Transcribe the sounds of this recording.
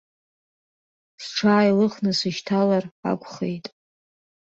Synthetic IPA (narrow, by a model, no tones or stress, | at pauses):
sʈ͡ʂʰaːjlɨχnɨsɨʃtʰalara̰kʷʰʼχḛjtʼ